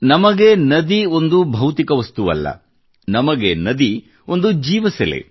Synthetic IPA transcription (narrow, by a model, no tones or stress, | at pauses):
nɐmɐɡe̞nɐd̪io̞nd̪ubʱɐwt̪ikɐʋɐst̪uʋɐ̰lːɐ̰ | nɐmɐɡenɐd̪i | o̞nd̪ud͡ʒiːʋɐsɛlḛ